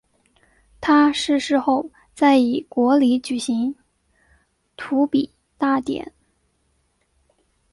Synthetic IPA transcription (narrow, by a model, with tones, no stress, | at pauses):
t̪ʰa˥ʂɻ̩˥˧ʂɻ̩˥˧xo˥˧ʊ | t͡sa˥˩ɪi˨˩kwɔ˧˥li˧˥t͡ɕy˨˩ɕi˧˥ŋ | t̪ʰu˧˥pi˨˩˦ | t̪a˥˩t̪jɛ̰˨˩˦n